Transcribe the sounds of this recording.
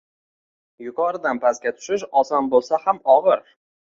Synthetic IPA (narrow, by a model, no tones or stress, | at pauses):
jʊkʰɒɾɪd̪anpʰaskʲat̪ʰʊ̥ʃɪʃɒsɒnbolˠsahamɒʁɨɾ